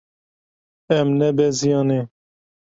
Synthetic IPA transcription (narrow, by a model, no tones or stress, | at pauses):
ɛmnɛbɛzijɑːne